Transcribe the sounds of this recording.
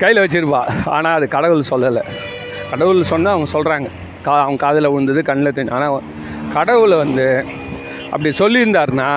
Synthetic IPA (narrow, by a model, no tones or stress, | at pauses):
kɐjlɐʋɛt͡ʃːɪɾɯpːaːa̰ːnaːɐðɯkɐɽɐʋɯɭsɔlːɐlːɐ | kɐɽɐʋɯɭsɔnːaːɐʋɐŋɡɐsɔlɾaːŋɡɐ | kaːɐʋɐɡɐkaːðɪlɐʊɻɯnd̪ɐðɯkɐɳːɪlɐt̪ːeɲʊ̃aːnaː | kɐɽɐʋɯɭʋɐnd̪ɯ | ʔɐpːɐɽisɔlːɪɾɯnd̪aːɾɯnaː